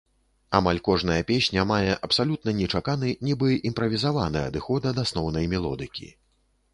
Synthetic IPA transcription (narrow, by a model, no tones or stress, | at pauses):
amalʲkɔʐnɐjɐpʲesʲnʲɐmajɛʔɐpsalʲut̪̚nɐnʲɛt͡ʂakanɨnʲibɨʔimpɾɐvʲizavanɐ̰jɐ̰d̪ɨxɔd̪ɐd̪asnɔwnɐjmʲɛlˠɔ̰d̪ɨkʲḭ